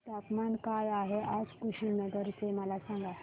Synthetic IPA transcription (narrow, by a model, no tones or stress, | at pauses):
t̪apmankajaɦeʔad͡zkuɕinəɡəɾt͡seməlasãŋɡa